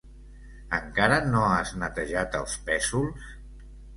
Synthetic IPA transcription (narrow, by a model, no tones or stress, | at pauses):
əŋkaɾənoaznət̪əʒat̪ə̰lˠspɛsulˠs